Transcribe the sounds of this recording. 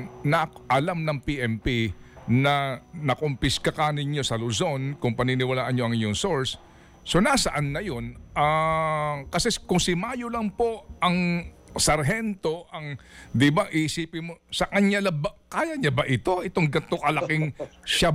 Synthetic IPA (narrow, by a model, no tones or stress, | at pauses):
nɐʔɐlamnɐŋpiʔɛmpinɐnɐkompɪskakɐnɪɲːo̞sɐlʊzo̞nkʊŋpɐninɪwɐlaːʔɐnɲɲo̞ɐŋɪɲoŋso̞ɹsː | o̞nasɐʔanːɐjo̞na | kɐsɛkʊŋsɪmaːjolɐŋpo̞ʔɐŋ | sɐɾɦɛnt̪o̞ʔɐŋd̪ɪbɐŋʔɪsiːpɪnmosɐkɐnalɐbɐkaːjɐɲɐbɐʔɪt̪o̞ʔɪt̪o̞ŋɡɐnt̪okɐlɐkɪŋʃa